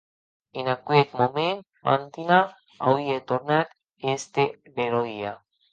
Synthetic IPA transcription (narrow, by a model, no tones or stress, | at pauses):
enakuet̪momen | ma̰nt̪ina | awiet̪oɾnat̪ | est̪e | beɾoia